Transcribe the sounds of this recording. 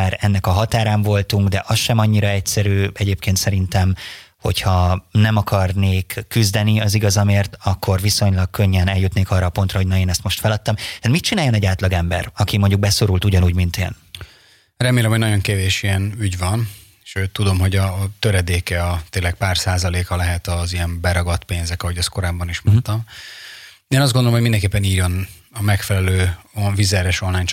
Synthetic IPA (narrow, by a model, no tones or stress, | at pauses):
aːɾɛnːɛkɒɦɒt̪aːɾaːɱvo̞lt̪uŋɡd̪ɛʔɒsʃɛmɒɲːiɾɒɛcsɛɾyːɛɟeːp̚keːnt̪sɛɾint̪ɛm | ho̞̰chɒnɛmɒkʰɒrneːkːyzd̪ɛniɒziɡɒzɒmeːrt̪ɒkːo̞rviso̞ɲlɒk̚kø̞ɲːɛnɛljut̪neːkɒrːɒːpo̞n̪t̪rɒɦoɟnɒeːnɛst̪mo̞ʃt̪fɛlɒt̪ːɒmt̪aːt̪mit̪̚t͡ʃinaːjo̞nɛɟaːt̪lɒɡɛmbɛ̰rɒkimo̞ɲɟuɡ̚bɛso̞ɾult̪uɟɒnuːɟmint̪ḛːn | rɛmeːlɛmhoɟnɒɟo̞ŋkeːveːʃijɛnyɟvɒn | ʃøt̪ːud̪o̞mɦo̞ɟɒːt̪øɾɛd̪eːkɛɒt̪eːlɛk̚paːrsaːzɒleːkɒlɛɦɛt̪ɒzijɛmbɛɾɒɡɒt̪peːnzɛkɒɦo̞ɟɛst̪ko̞ɾaːbːɒniʃmont̪ɒm | eːnɒzdɡond̪olomhomind̪ɛŋkeːpːɛniːjo̞n | ɒmɛkfɛlɛløːovizɛɾɛʃo̞nlaːjn